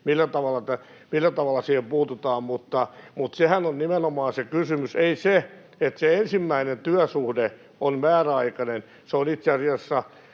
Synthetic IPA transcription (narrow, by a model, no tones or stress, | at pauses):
milːæt̪ɑʋɑlːˑɑt̪æ | milːæt̪ɑʋɑlːɑsiːhempuːt̪ut̪ɑːmmut̪ːɑmut̪sehænonnimenomɑːnsekysymyseise | et̪seensimːæinent̪yæsuhde | onmæːræɑikɑnen | seonit̪seɑsiɑsːɑ